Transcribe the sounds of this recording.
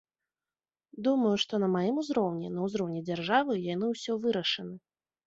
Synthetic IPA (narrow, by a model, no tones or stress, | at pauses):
d̪umɐjuʂt̪ɔnɐmajimuzɾɔwnʲɛnɐuzɾɔwnʲɛd͡zʲarʐavɨjan̪ɨwsʲɔvɨɾɐʂɐnɨ